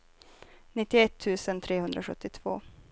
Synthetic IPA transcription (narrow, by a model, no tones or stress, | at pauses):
nɪt̪ːɪɛt̪ʰːʉ̟ːsənt̪ʰɾeːɦɵnd̪ɾaɧɵ̰t̪ːɪt̪ʰv̥o̰ː